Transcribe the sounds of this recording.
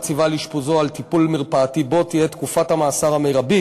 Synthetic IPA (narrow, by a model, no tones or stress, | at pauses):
t͡sivaliʃpuzoalt̪ipulmiʁpaːt̪ibo̞t̪ijet̪kufathamaːsaʁhamejʁabi